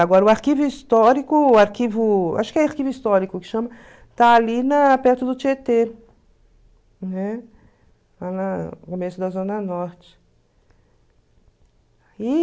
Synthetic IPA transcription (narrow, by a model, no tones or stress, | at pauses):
aɡɔɾɐʊaɾkivʊist̪ɔɾikʊaɾkivʊa̰ʃʊ̥kɪɛaɾkivʊist̪ɔɾikʊkɪ̥ʃɐ̃mɐ | t̪aːlinɐpɛɾt̪ʊd̪ʊt͡ʃet̪e | nɛ | lanɐkomesʊd̪ɐzõnɐnɔɾt͡ʃɪ̥ | i